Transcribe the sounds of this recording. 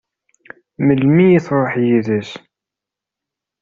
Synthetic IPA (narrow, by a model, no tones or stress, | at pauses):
məlmijiθɾˤoħjiðəs